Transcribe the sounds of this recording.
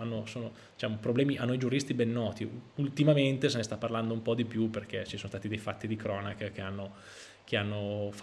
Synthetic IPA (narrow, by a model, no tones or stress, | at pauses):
anːosoːno | d̪it͡ʃaːmopɾoblɛːmiʔanːoid͡ʒuɾist̪ibɛnːɔːt̪iult̪imament̪esenest̪apːarland̪oumpɔd̪ipjuperk̟et͡ʃisoːnost̪aːt̪id̪ejfat̪ːid̪ikɾɔːnakk̟eanːo | k̟eanːof